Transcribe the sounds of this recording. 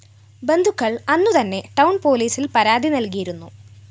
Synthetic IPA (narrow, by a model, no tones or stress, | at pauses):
be̞nd̪ʱukːɐɭɐnːut̪ɐnːe̞ʈɐwɳpo̞ːliːsilpɐɾaːd̪ʱinɐlk̬ijiɾunːṵ